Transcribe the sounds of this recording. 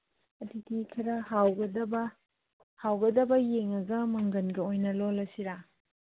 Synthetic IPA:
ɐdidikʰɐɾɐhawɡɐdɐbɐ | hawɡɐdɐbɐjeŋɐɡɐmɐŋɡɐnɡɐojnɐlolɐsiɾa

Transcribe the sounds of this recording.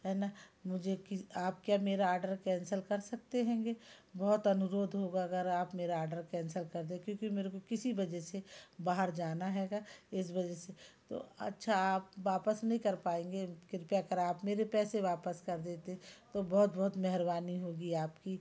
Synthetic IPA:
ɦɛːnamʊd͡ʒʱekɪaːp̚kjaːmeːɾaaːɾɖəɾkɛ̃ːnsəlkɐɾsɐk̚t̪eɦɛ̃ːŋɡebɔɦʊt̪ɐnʊɾoːd̪ʱɦoːɡaɐɡəɾaːpmeːɾaɔːɾɖəɾkɛ̃ːnsəlkɐɾd̪ẽkjõːkimeːɾekokɪsibɐd͡ʒɛsebaːɦəɾd͡ʒaːnaɦɛːɡaːɪs̬bɐd͡ʒɛset̪o̰ɐ̰tːʃʰaaːp̚ʋaːpəsnɐɦĩkɐɾpaːẽːŋɡekɪɾpjaɐkəɾaːpmeːɾepɛːseʋaːpəskɐɾd̪eːt̪eɦɛ̃t̪obɔːʊt̪̚bɔɦːt̪mɛɦɾbaːniɦoːɡiaːpki

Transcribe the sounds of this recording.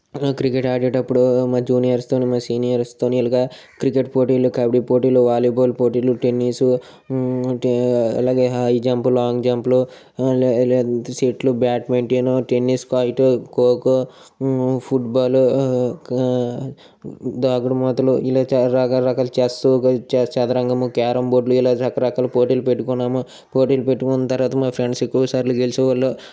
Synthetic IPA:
kɾikeʈaːɾɖeʈɐpːuɽumaːd͡ʒuːnijɐɾst̪oːnimaːsiːnijɐɾst̪oːnilɐɡɐkɾikeʈ̚poːʈilukɐbɽipoːʈiːluʋaːluboːlpoːʈiːluʈenːiːsu | ɐ̰laːɡeːɦajd͡ʒaːmpulaːŋɡd͡ʒaːmplu | siːʈlubaːʈmeɳʈinoʈenːiːskajʈukoːku | pʰuʈbaːlu | d̪aːɡuɽumɐːt̪ɐluilaːt͡ʃɾɐkɐɾɐkɐlt͡ʃesut͡ʃt͡ʃɐd̪ɐɾɐŋɡɐmukaːɾɐmboːɖluilaːt͡ʃɐkːɐɾɐkɐːlupoːʈilupeʈːukunːaːmu | poːʈilupeʈːukunt̪ɐɾʋaːt̪ɐmaːpʰɾeɳɖsekːuːɐsaːɾlukelisuʋɐlːo

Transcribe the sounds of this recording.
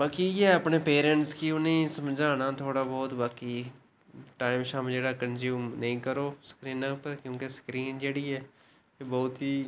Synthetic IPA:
ʋaːkiːɛːəpɳeːpeːɾɛ̃ɳʈskiʊnẽːsəmd͡ʒaːnaːt̪ʰoːɽaːbɔːt̪ʋaːkiː | ʈaːɪmʃaːmd͡ʒeːɽaːkənzjuːmnəĩːkəɾoːskɾiːnãːpəɾkjõːkesə̥kɾiːnd͡ʒeːɽiːɛː | ebɔːt̪ɦiː

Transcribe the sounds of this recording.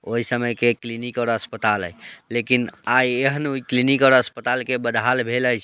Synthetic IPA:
oɦisəməjkeklinikɔʊɾəspət̪alə̰jlekinajeɦənuiklinikɔɾəspət̪alkebəd̪ʱalbʱeləjt͡ʃʰ

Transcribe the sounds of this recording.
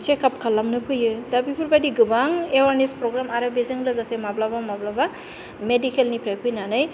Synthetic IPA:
t͡ʃekapkʰalamnɯpʰɯjɯdabipʰuɾbadiɡɯbaŋewaɾnispɾoɡɾamaɾɯbezɯŋlɯɡasemablabamablaba | medikʰelnipʰɾajpʰɯjnanɯj

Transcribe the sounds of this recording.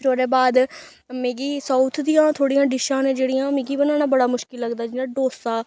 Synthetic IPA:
ɾoːɾeːbaːd̪ | mẽːɡiːsaːʊt̪ʰd̪ijãːt̪ʰoːɽijãːɖɪʃãːnẽːd͡ʒeːɽijãːmẽːɡiːbənaːnaːbəɽaːmʊʃkɪlːəɡd̪aːd͡ʒɪnãːɖoːsaː

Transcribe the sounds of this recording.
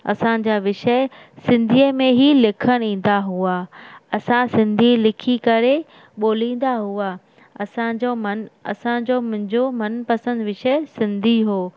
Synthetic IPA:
ɐ̰sãd͡ʑaːʋɪʃə | sɪ̃nd̪ʱiəmẽɦilɪkʰəɽ̃ĩːn̆d̪aɦuaːɐsãsɪ̃nd̪ʱilɪkʰikɐɾe | ɓoːlĩːn̆d̪aɦua | ɐsãd͡ʑomɐnɐ̰sãd͡ʑomʊ̃ɦɪ̃ɲd͡ʑomɐnpɐsə̃nd̪ʋɪʃəɪsɪ̃nd̪ʱiɦoː

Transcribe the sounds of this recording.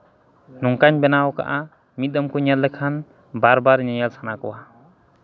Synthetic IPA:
nɔŋkaɲbɛnawka̰ʔa | mit̪̚d̪ɔmkuɲat̪lːɛkʰan | baɾbaɾɲɔjalsʰanakɔwa

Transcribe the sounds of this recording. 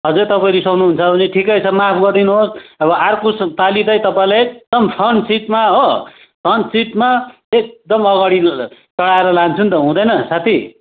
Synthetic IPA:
ɦʌd͡zet̪ʌpaĩlisʌwnuɦunt͡sʰʌbʱʌneʈʰikʌjt͡sʰʌmapʰɡʌrd̪inuɦosʌβʌʔarkost̪alit̪ʌj̃t̪ʌpaĩlajek̚d̪ʌmpʰʌnsiʈmaɦo | pʰʌnsiʈma | ek̚d̪ʌmʌɡaɽi | t͡sʌɽaeɾʌlant͡sʰunt̪ʌɦũd̪ʌjnʌsat̪ʰi

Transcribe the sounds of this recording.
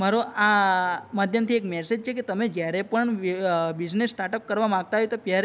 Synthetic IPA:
maɾoamad̪ʱjəmt̪ʰiekmɛsed͡ʒt͡ʃʰeket̪əmed͡ʒjaɾepəɳbɪd͡ʒnesːʈaʈəkːəɾʋamãɡ̚t̪aɦojt̪opjaɾ

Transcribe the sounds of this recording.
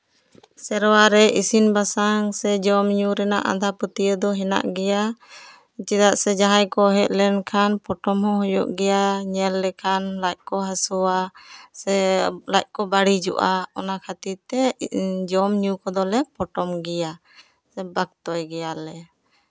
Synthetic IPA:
sɛɾɔwaɾɛʔisinbasaŋsɛd͡ʒɔmɲuɾɛnaʔa̰d̪ʱaput̪iəd̪ɔɦɛna̰ʔɡɛja | t͡ʃid̪aʔsɛd͡ʒaɦãjkɔɦɛt̪̚lɛnkʰanpɔʈɔmhɔ̃ɦɔjɔ̰ʔɡɛjaɲɛlːɛkʰanlac̚kɔɦasɔwasɛlac̚kɔbaɽid͡ʒɔ̰ʔaɔnakʰat̪it̪ɛd͡ʒɔmɲukɔd̪ɔlɛpɔʈɔmɡɛja | sɛbak̚t̪ɔjɡɛjalɛ

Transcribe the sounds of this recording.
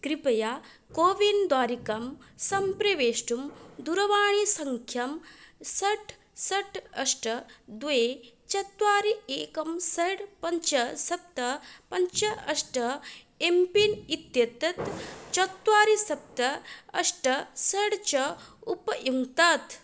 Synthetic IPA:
kɾipɐja | koːʋind̪ʋaːɾikɐmsɐmpɾɐʋeːʂʈumd̪uɾɐʋaːɳ̃isɐŋkʰjɐmsɐʈʰ | sɐʈʰɐʂʈɐd̪ʋet͡ʃɐt̪ʋaːɾieːkɐmsɐɽpɐɲt͡ʃɐsɐp̚t̪ɐpɐɲt͡ʃɐʔɐʂʈɐ | empinit̪jɐt̪ɐt̪t͡ʃɐt̪ʋaːɾisɐp̚t̪ɐɐʂʈɐsɐɽt͡ʃɐupɐjuŋɡt̪aːt̪

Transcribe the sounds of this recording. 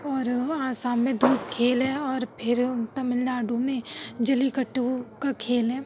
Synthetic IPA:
ɔːɾaːsaːnmẽd̪ʱuːpkʰeːlɦɛ̃ɔːɾpʰɪɾt̪ɐmɪlnaːɖumẽd͡ʒɐlikɐʈːkakʰeːlɦɛ̃ː

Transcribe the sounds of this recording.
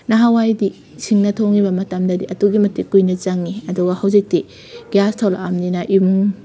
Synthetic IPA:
nɐɦawajdi | sʰiŋnɐtʰoŋibɐmɐtamdɐdiʔɐtuɡimɐtikujnɐt͡ʃaŋːiɐduɡɐhawzik̚ti | ɡ̥iastʰola̰mninɐʔimuŋ

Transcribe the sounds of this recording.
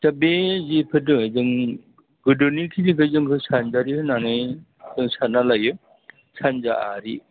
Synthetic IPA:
tabezipʰɯdɯŋezɯŋ | ɡɯdɯnikʰinikʰɯzɯŋkʰɯsanzaɾihɯnanɯj | zɯŋsanalajɯ | sʰanzaaɾi

